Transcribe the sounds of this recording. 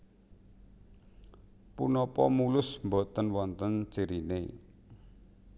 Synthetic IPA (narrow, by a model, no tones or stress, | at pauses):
punɔpɔ̰mulʊsmbɔt̪ənwɔnt̪ənt͡ʃiɾinḛ